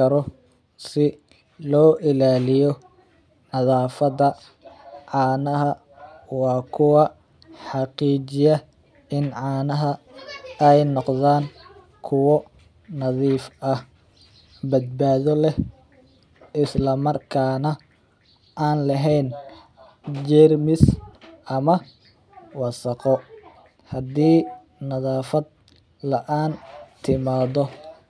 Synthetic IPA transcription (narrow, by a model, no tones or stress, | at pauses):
ɐɾɔ | sɪ | lɔːʔɪlaːlɪjɔ | nɐðaːfɐðɐ | ʕɑːnɐɦɐ | wɑːkʰʊwɑ | ħɑqiːt͡ʃɪjɐ | ɪnʕɑːnɐɦɐ | ɛjnɔqðaːŋ | kʰʊwɔ | nɐðiːfɐh | bɐd̪̚baːðɔlɛh | ʔɪslɐmɐrkʰaːnɐ | ʔaːnlɐɦɛjn | d͡ʒɛːrmɪsʔɐmɐ | wɑsɐqɔ | hɐd̪iː | nɐðaːfɐd̪̚ | lɐʔaːnt̪ʰɪmaːðɔ